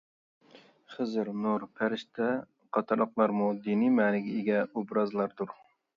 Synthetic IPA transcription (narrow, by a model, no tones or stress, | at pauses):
χəzɨɾnuɾpʰæɾɪʃt̪ʰɛ | qʰɑt̪ʰɨɾləqlˠɑɾmud̪inimæːnɪɡʲɛeɡʲɛubɾɑzlˠɑɾd̪uɾ